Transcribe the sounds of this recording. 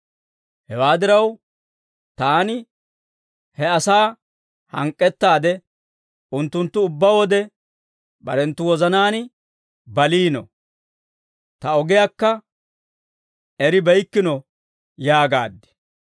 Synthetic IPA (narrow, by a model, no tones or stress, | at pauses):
hɛwaːd̪ɪɾɐw | t̪aːnɪ | hɛɐsaː | hɐŋkʼːɛt̪ːaːd̪ɛ | ʊnt̪ːʊnt̪ːʊʊbːawɔd̪ɛ | bɐ̰ɾɛnt̪ːʊwɔzɐnaːn | bɐliːnɔ̰ | t̪ɐɔɡɪjaːkːɐ | ɛɾɪbɐjkːɪnɔ | jaːɡa̰ːd̪ːɛ̥